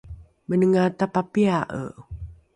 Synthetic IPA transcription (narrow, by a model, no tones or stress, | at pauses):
mənəŋat̪apapiaʔə̰